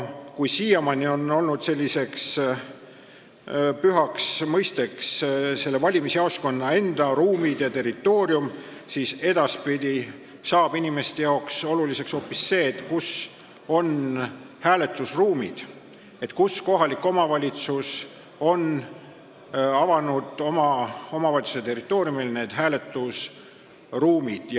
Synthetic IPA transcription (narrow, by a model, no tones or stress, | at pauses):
kujsiːɑmɑnio̞no̞lnud̪̥se̞lʲːise̞ks | pyɦɑksmɤjst̪eksse̞lːe̞vɑlʲimiseɑwsko̞nːɑe̞nd̪̥ɑɾuːmid̪̥jɑt̪e̞rit̪ːˑo̞ːɾium | siːse̞d̪̥ɑspid̪̥ʲi | sɑːb̥inʲime̞st̪e̞jɑokso̞lulise̞ksho̞ːpːisːe̞ːt̪kus | o̞n | hæːle̞t̪ːˑusruːmḭd̪̥ | e̞t̪kusko̞ɦɑlikːˑo̞mɑvɑlʲit̪sus | o̞n | ɑvɑnud̪̥o̞mɑo̞mɑvɑlʲit̪su̥set̪e̞rit̪ːˑo̞ːɾijumilne̞ːd̪̥ɦæːle̞t̪ːˑus | ruːmid̪̥